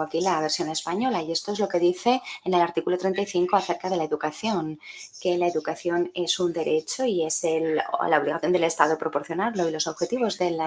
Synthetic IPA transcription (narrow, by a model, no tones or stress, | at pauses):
akilaβeɾsjo̞ne̞spaɲo̞laje̞st̪oezlo̞ke̞ðiθe̞ːne̞laɾt̪ikulot̪ɾe̞nt̪ajθiŋko̞aθeɾkað̞e̞lae̞ðukaθjo̞ŋ | ke̞lae̞ðukaθjo̞ne̞sund̪e̞ɾe̞t͡ʃo̞ie̞sellaoβliɣaθjo̞nd̪e̞le̞st̪aðopɾo̞po̞ɾθjo̞naɾlo̞ilo̞so̞βxe̞t̪iβ̞o̞zðe̞l